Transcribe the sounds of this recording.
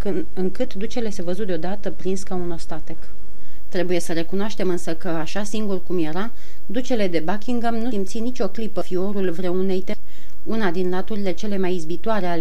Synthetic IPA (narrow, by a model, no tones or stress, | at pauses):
k | ɨŋkɨt̪d̪ut͡ʃe̞le̞se̞vəzut̪d̪eod̪at̪əpɾinskauno̞st̪at̪e̞k | t̪ɾe̞buje̞səɾe̞kunoaʃt̪e̞mɨnsəkəaʃasiŋɡurkumje̞ɾa | d̪ut͡ʃe̞le̞d̪e̞bakʲiŋɡamnusimt̪sinit͡ʃʲo̞klipəfio̞ɾulvɾe̞une̞jt̪e | unad̪inlat̪uɾile̞t͡ʃe̞le̞majizbit̪oaɾe̞ale